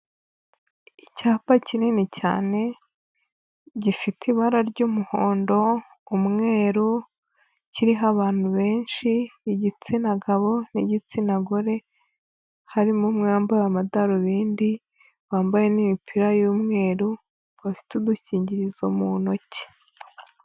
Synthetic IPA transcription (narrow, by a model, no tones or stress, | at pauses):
icaːpacininica̰ːne̞ | ɟifitʰiβaɾaɾɟumuhoːndo̞ː | mŋe̞ːɾu | ciɾiɦaβaːn̥huβe̞ːnʃiniɟit͡sinaɡaβo̞niɟit͡sinaɡoɾe̞ | haɾimumŋaːmbajamadaɾoβiːndi | βaːmbaje̞nimipʰiɾajuːmŋe̞ːɾu | βafi̥tuduciːɲɟiɾizomuno̞ce̥